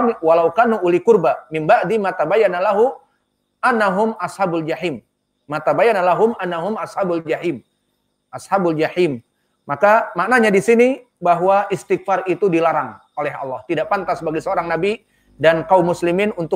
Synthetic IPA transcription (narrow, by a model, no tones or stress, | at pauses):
walawkanuulikurbamɪmbaʔd̪imat̪abajanalaɦu | ʔanːaɦʊmashabʊld͡ʒaħimː | at̪abajanalaɦʊmanːaɦʊmashabʊld͡ʒahim | ʔashabʊld͡ʒaħim | makamaʔnaɲadisini | baɦwaʔist̪ɪk̚farit̪udilaɾaŋ | olɛɦɑ̰lːɑht̪idaʔpant̪asbaɡajsəoɾaŋnabi | dankaumːusliminunt̪ʊ